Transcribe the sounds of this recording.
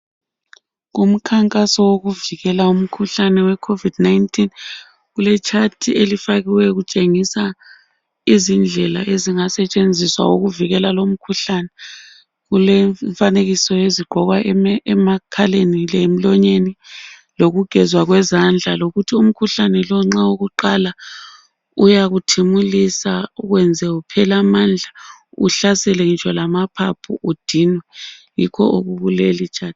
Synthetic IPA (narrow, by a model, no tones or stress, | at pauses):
ɣum̩kʰaŋkʼasɔwoɣuviɣɛlaum̩kʰuɬanɛwɛkʰovid̥najntʰʼin | ɣulɛt͡ʃʰatʰielifaɣiwɛɣut͡ʃʼeŋisa | izind͡ɮʱɛlaeziŋasɛt͡ʃʼend͡zʱiswa̰oɣuviɣɛlalom̩kʰuɬanɛ | ɣulɛɱfaneɣisɔjeziɡ͡ǃʱɔɣwamakʰalenilɛem̩lɔɲeniloɣuɡ̥ʱɛzwaɣwɛzand͡ɮʱaloɣutʰium̩kʰuɬanɛlɔŋ͡ǁaoɣuǃala | ujaɣutʰimulisauɣwɛnd͡zʱɛupʰɛlamaːnd͡ɮʱaṵɬasɛlɛit͡ʃʰʼɔlamapʰapʰuʔud̥ʱiːnwɛjikʰɔ̰ʔoɣuɣulelit͡ʃʰʼaːt